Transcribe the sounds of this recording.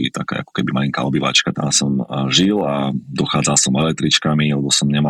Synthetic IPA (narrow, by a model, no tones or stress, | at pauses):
ḭt̪akɛ̰ːa̰kɔ̥kɛbimaliŋka̰ɔbiʋa̰t͡ʃkat̪a̰msɔmʒilad̪ɔxaːd͡zalsɔmɛlɛt̪ɾit͡ʃkamialɛbɔsɔmɲɛma